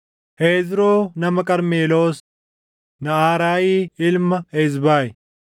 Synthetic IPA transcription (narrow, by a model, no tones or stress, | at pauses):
heːzɾoːnɐmɐkʼɐɾmeːloːs | nɐaːɾaːjiːɪlmɐɛzbaːj